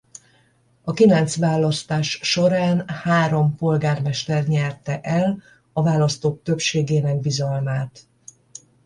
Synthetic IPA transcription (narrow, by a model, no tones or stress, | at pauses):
ɒkilɛnt̪sʋaːlːɒst̪aːʃːo̞ɾaːnhaːɾo̞mpo̞lɡaːrmɛʃt̪ɛrɲɛrt̪ɛʔɛl | ɒvaːlɒst̪oːk̚t̪ø̞pʃeːɡeːnɛɡ̚bizɒlmaːt̪